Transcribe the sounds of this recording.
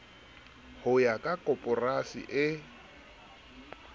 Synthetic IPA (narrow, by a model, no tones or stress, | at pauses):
hʊjakʼakʼɔpʼɔrasḭʔɪ